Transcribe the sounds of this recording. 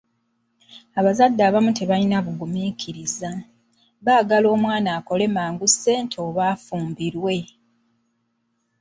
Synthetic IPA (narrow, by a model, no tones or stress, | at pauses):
aβazadːaːβamuteβalinaβuɡumikʰiɾiza | βaːɡalo̞ːmwaːnaːko̞le̞maːŋɡusːe̞ːntʰo̞ːβaːfuːmbiɾwe̞